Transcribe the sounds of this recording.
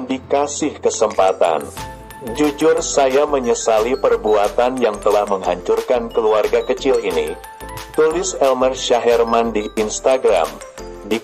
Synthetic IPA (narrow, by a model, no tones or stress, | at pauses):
dikasɪhkəsəmpat̪a̰n | d͡ʒud͡ʒʊrsajaməɲəsalipərbuat̪anjaŋt̪əlahməŋɦaɲt͡ʃʊrkankəluarɡakət͡ʃɪlini | t̪ulɪsɛlmərʃaɦɛrmandiːnst̪aɡɾa̰m | di